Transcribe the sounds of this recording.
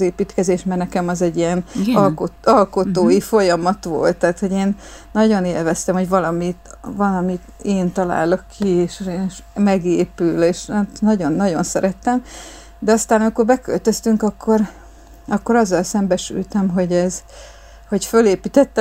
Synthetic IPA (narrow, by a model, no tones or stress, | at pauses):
zeːpit̪kɛzeːʃmɛrnɛkɛmɒzɛɟːijɛnkoɒlko̞t̪oːjifo̞jɒmɒt̪ʋo̞̰lt̪ːɛːt̪ho̞ɟeːnː | ɒɟo̞neːlvɛst̪ɛmho̞ɟvɒlɒmit̪ | vɒlɒmit̪eːnt̪ɒla̰ːlo̞kʰːieːʃenʃmɛɡeːpyleːʃt̪nɒɟo̞nːɒɟo̞nsɛɾɛt̪ːɛm | d̪ɛɒst̪aːnɒmiko̞rbɛkø̰lt̪ø̞st̪yŋkɒkʰːo̞r | ɒkːo̞ɾɒzːɒlsɛmbɛʃy̰lt̪ɛmɦo̞ɟɛz | ho̞ɟføleːpiːt̪ɛt̪ːɛ